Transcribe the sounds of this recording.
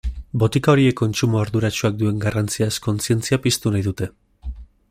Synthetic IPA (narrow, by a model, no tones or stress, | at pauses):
bo̞t̪ikao̞ɾie̞kːo̞nt͡sumoaɾðuɾat͡ʃuak̚d̪ue̞ŋɡarant͡siaesko̞nt͡sie̞nt͡siapist̪unajðut̪e̞